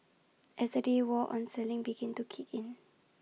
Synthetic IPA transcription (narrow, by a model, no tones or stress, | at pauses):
ʔɛsdədewɔʔɔ̰̃nsɛlɪ̃ŋbiɡɛ̃ntukʰikĩn